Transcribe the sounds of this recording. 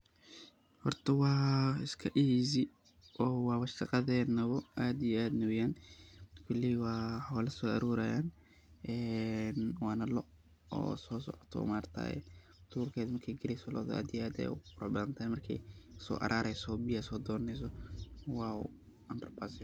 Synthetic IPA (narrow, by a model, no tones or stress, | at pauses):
hɔrt̪ʰɐwɑːɪskʰɐʔizɪ | ʔɔːwɑːwɐʃɑqɑðɛːnɐβɔʔaːd̪ijɛaːd̪nʊwjaːnkʰʊliwɑːħɔːlɐsɔːɐɾuːɾajaːn | ʔɛːnwɑːnɐlɔ | ɔ̰ːsɔːsɔ̰ʕɔ̥t̪ʰɔ̰ːmaːrt̪ʰa̰ːjɛ̰ | d̪̥uːrkʰɛːðmɐrkʰɛjɡɐɾɛjsɔlɔ̰ːðʔa̰ːd̪ijɛʔaːd̪ɛ̰jʊɾɔbɐnt̪ʰaːjmɐrkʰɛ̰jsɔ̰ːʔɐ̰ɾʔaːɾɛjsɔbɪjasɔːd̪ɔːɾɐnɛjs̬ɔwɑːṵ | ʔɐmbɐrbasɪjɔ